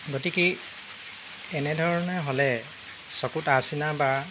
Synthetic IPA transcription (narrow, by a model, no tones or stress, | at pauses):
ɡotiki | ɛnɛdʱɔɹɔnɛɦɔlɛ | sɔkutasinaba